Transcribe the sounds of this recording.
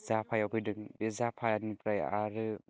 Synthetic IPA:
zapʰajapʰɯdɯŋbezapʰajanipɾaja̰ɾɯ

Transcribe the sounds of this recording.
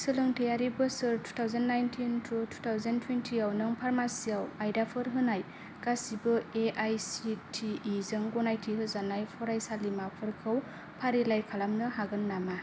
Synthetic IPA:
sɯlɯŋtejaɾibɯsɯɾtʰu̥tʰawzanːajntʰintʰɾɔtʰu̥tʰawzentʰwentʰiawnɯŋpʰaɾmasijawajdapʰɯɾɦɯnaj | kasibɯeʔajsitʰiːzɯŋɡɔnajtʰiɦɯzanajpʰɔɾajsalimapʰɯɾkʰɯw | pʰaɾilajkʰalamnɯɦaɡɯnːama

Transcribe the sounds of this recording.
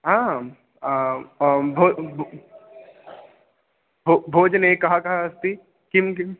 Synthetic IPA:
ɦãː | a | bʱoːb | bʱobʱoːd͡ʒnekɐɦakɐɦaɐst̪i | kɪmkɪm

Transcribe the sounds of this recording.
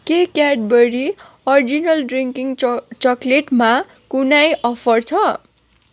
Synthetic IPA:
kekaɖ̚bʌɾi | ʌrd͡zinʌlɖriŋkiŋt͡sʌkleʈma | kunajʌpʰʌrt͡sʰʌ

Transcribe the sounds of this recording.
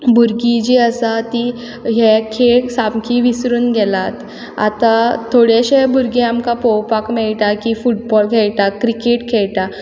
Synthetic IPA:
buɾɡid͡ʑiəsat̪i | ɦekʰesamkʰiʋisɾuːnɡɛlat̪ | a̰t̪at̪ʰoɽjaɕebuɾɡiamkapowpakmɛɭʈakifuʈ̚bɔlkʰeɭʈakɾikeʈkʰɛɭʈa

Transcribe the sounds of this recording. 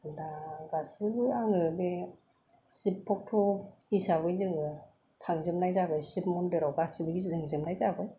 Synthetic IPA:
daɡasɯbɯaŋɯbe | sipʰːɔk̚tʰɔisaβɯjzɯŋɯ | tʰaŋzɯmnajzaɡɯjsip̚mɔndɯɾawbasibɯɡizizɯŋzɯmnajzaɡɯj

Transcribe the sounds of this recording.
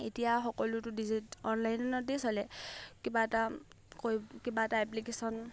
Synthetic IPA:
etijaxɔkɔlutʊdizitɔnlajnɔnɔdisɔlɛkibaɛta | kojkibaɛtaɛplikesɔn

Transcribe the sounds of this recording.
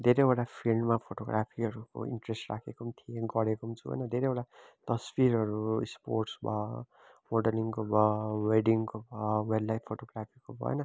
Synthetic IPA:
d̪ʱeɾejoʈapʰilɖmapʰoʈoɡrapʰiʌɾuko̰ḭɳʈresʈrakʰekomt̪ʰijeɡʌɽekomt͡sʰuɦʌ̰jnʌd̪ʱeɾejoʈat̪ʌspiɾɦʌɾusporʈsbʱʌ | moɖʌliŋkobʱʌweɖiŋkobʱʌwellajpʰpʰːoʈoɡrapʰikobʱʌ̰ḛnʌ

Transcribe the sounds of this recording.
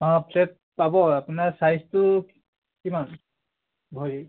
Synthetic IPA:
ãpʰɛt̚ | pabɔapunaɹsajstʊ | kiman | bʱɔɹi

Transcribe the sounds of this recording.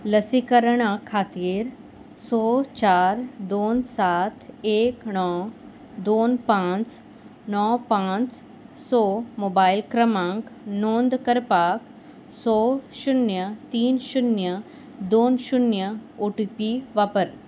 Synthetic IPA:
ləsikəɾɳ̃akʰaːt̪iːɾ | sɔːt͡ɕaːɾd̪oːnsat̪ʰeːknɔ | d̪oːnpãt͡s | nɔpãt͡s | sɔːmoːbaːilkɾəmãŋknoːnd̪kəɾpaːk | sɔʃunjət̪iːnʃunjə | d̪oːnʃunjəoʈupiʋaːpəɾ

